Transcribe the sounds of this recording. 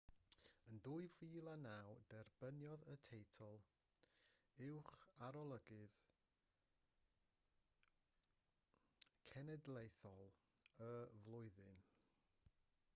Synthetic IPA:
əndʊːɨviːlˠanawdɛrb̥ənjɔðətʰejtʰɔlˠ | ɪwχaɾɔlˠəɡɨð | kʰɛnɛdlˠejθɔlˠ | əvlˠʊɨðɨn

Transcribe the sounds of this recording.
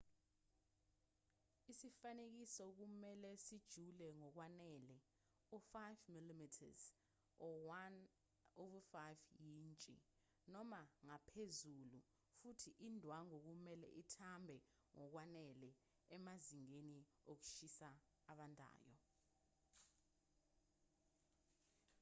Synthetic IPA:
isifanek̬isɔk̬umɛlɛsid̥ʒ̥ʱulɛŋɔk̬wanɛlɛ | ufajvmilimitʰa̰z | n | oɓufajvjiːnt͡ʃʼḭ | nɔmaŋapʰezulṵ | futʰiʔindʱwaŋok̬umɛlɛ̰ʔitʰambʱɛ | ŋɔk̬wanɛlɛ | ɛmaziŋeni | ok̬u̥ʃisaː | ɓandʱa̰ːjɔ̰

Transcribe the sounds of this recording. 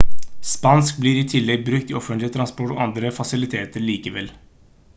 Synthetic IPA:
spɑnsk̚bliːɾɪt̪ʰɪlːɛɡ̚bɾʉk̚t̪ɪɔfənt̪lɪt̪ʰɾɑnspɔʈːɔ̰ʔɑnd̪ɾəfɑsɪlɪt̪ʰeːt̪əɾɭiːkəʋɛl

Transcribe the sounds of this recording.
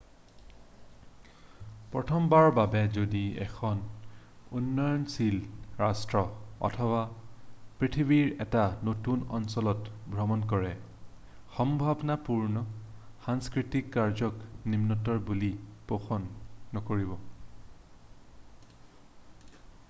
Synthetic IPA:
pɹɔtʰɔmbaɹbabɛzodiɛ̰kʰɔn | unːɔjɔnsilɹastɹɔɔ̰tʰɔba | pɹitʰiβiɹɛtanotunɔ̰nsɔlɔtbʱɹɔmɔnk̬ɔɹɛ | xɔmbʱabnapuɹnɔxaŋskɹitikːaɹzɔknimnɔtɔɹbulipoxɔnːɔkoɹibɔ

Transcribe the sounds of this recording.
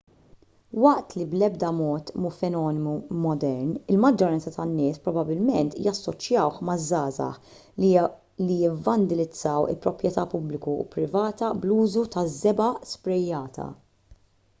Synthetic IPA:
wɐʔt̪liblɛb̚d̪ɐmɔːt̪mufɛnɔːnɪmumɔd̪ɛɾnɪlmɐd͡ʒːɔɾɐnt͡sɐt̪ɐnːɪːspɾɔbɐbɪlmɛnt̪jɐsːɔt͡ʃjɐwħmɐzːɐːzɐ̰ħ | lijɪvːɐnd̪ɪlɪd͡zːɐwɪ̰lpɾɔpɾjɛt̪ɐːpʊblɪkṵpɾɪvɐːt̪ɐbluːzut̪ɐzːɛbɐspɾɛjːɐːt̪ʰɐ̰

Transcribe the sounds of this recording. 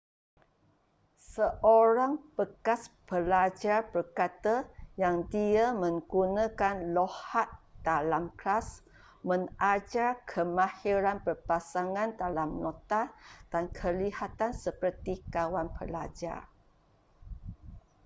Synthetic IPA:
səʔoɾaŋb̥əkasbəlad͡ʒarbərkat̪əjaŋdiamə̃ŋɡunãkanlohat̪̚d̥alamklas | mə̃ŋʔad͡ʒarkʰəmãhiɾanpərpasaŋãndalamnɔ̃t̪ad̥ankʰəlihat̪ansəpərt̪ikawanpəla̰d͡ʒa̰r

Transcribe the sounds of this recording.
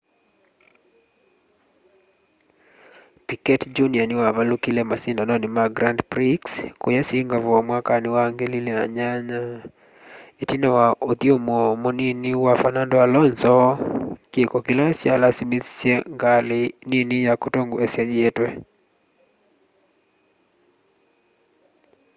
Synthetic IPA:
pikɛtd͡ʒunianɪwavalukilɛmasindanɔnɪmaɡɾandpɾikskojɛsiŋɡavɔmwakanɪwaŋɡelilina̰ɲaɲa | etinawaʔot̪iomɔmoniniwafanandɔalɔnzɔkekɔkɪlasjalasimisseŋɡalɪninijakotoŋɡoesjɛjetwɛ

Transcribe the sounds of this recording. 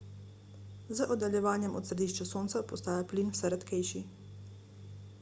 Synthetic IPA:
zəʔɔd̪aljɛʋaːnjɛmʔɔ̰t̪sɾɛd̪iːʃt͡ʃasoːnt̪sapɔst̪aːjapliːnwsɛɾɛt̪kɛjʃi

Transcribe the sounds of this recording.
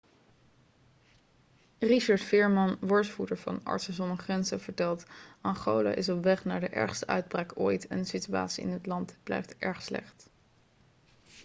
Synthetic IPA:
riʃɑɹtfɪːɹmɑnʋɔɹsfudəɹvɑ̰nɑ̰ɹtsəzɔməχrɛnzəv̥əɹtɛlˠtɑnχowla̰ʔɪs̬ɔpʋɛχnaːɹdəʔɛ̰ɹχstəʔœ̰ɥd̚braːkojtɛ̰nəsitya̰ːtsiɪ̰nɦətlɑntb̥lɛ̰jftʔɛɹχslɛ̰χt

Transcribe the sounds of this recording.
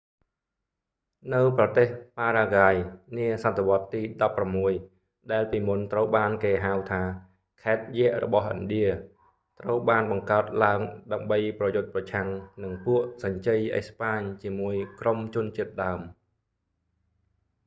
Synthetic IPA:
nɨwprɑt̪eːhpaːɾaːɡaːjniəsat̪ʰːeʋŏət̪ːiːɗɑpːramːuəj | ɗaɛlpiːmunt̪rəwɓaːnkeːɦawt̪ʰaː | kʰaɛt̪̚jɛəʔrɔ̰ɓɑhʔɨ̰nɗiə | t̪rəwɓaːnɓɑŋkaət̪̚laəŋɗaəmɓəjprɑjʊt̪̚prɑt͡ɕʰaŋnɨŋpuəʔsɑɲt͡ɕəjʔə̰spaːɲt͡ɕiəmuəjkromt͡ɕʊ̆ənt͡ɕiət̪̚ɗaəm

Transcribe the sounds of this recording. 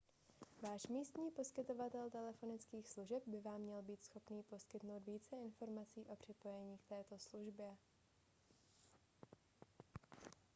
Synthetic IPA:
vaːʃmiːst̪ɲiːpo̞skɪt̪o̞vat̪ɛlt̪ɛlɛfo̞nɪt͡skiːxsluʒɛb̚bɪvaːmːɲɛlbiːt̪sxo̞pniːpo̞skɪt̪no̞wd̪viːt͡sɛɪnfo̞ɾmat͡siːʔo̞pr̥ɪpo̞jɛɲiːk̚t̪ɛːt̪o̞sluʒbjɛ

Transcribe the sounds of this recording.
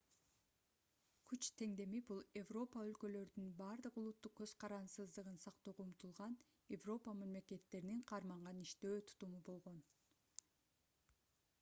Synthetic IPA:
kʰyt͡ʃt̪ʰe̞ŋd̪e̞mibulˠe̞vro̞paølkø̞lø̞ɾd̪ynbɑɾd̪ɯqulˠut̪ːuq̚kø̞z̥qʰɑɾɑnsɯzd̪ɯʁɯnsɑqt̪oːʁoumt̪ulˠʁɑn | jevro̞pəmɑmle̞ke̞t̪ːe̞ɾiniɴqʰɑɾmɑɴʁɑniʃt̪øːt̪ʰu̥t̪umubo̞lˠʁo̞n

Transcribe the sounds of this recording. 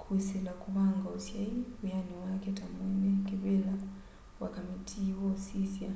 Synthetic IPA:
kʰusilakuβaŋɡaɔsjaijaniwakɛtamɛnɛkiβɛla | wakamitʰiwɔsisia

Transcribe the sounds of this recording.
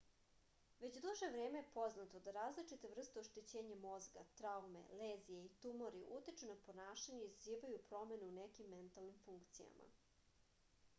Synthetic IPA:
ʋe̞t͡ɕd̪uʒeʋɾeːmejepo̞znat̪o̞d̪aɾaːzlit͡ʂit̪evr̩st̪eoʃt̪et͡ɕeːɲamo̞zɡa̰t̪ɾaume̞̰leːzijeit̪umoɾiʔut̪it͡ʃunapo̞naːʃaɲeizziːʋajupɾo̞me̞nuunekimːent̪alˠnimfuŋkt̪sija̰mʔa̰

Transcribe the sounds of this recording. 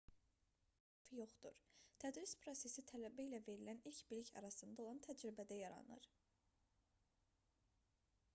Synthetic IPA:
fjo̞χd̪uɾt̪ʰæd̪ɾispʰɾo̞se̞sit̪ʰælæbæilæve̞ɾilænilcbiliçcɑ̰ɾɑsɯnd̪ɑolˠɑnt̪ʰæd͡ʒɾibæd̪æjɑɾɑ̰nɯ̰ɾ

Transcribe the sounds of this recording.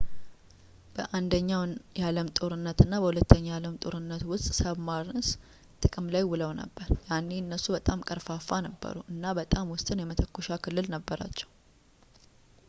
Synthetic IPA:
b̥əʔand̪əɲːawjaləmt̪ʼo̞ɾɨnːət̪ɨnːabəhulət̪ʰːəɲːajaləmt̪ʼo̞ɾɨnːət̪wʊst̪ʼsəβmaɾs | t̪ʼɨkʼɨmlajwʊləwnə̰bːəɾjanːeɨnːəsːubət̪ʼamkʼəɾfafanəbːə̰ɾuʔɨnːabət̪ʼamwʊst̪ʼɨnjɛmət̪ʰəkːoʃakʰɨlːɨlnəbːəɾa̰t͡ʃːɛ̥w

